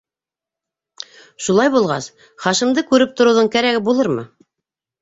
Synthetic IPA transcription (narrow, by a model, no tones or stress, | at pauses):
ʃulˠɑjbulˠʁɑs | χɑʃimd̪ɤkʉɾɘp̚t̪ŏɾŏwðɤɴkæɾæɡɘbulˠɤɾmɤ̰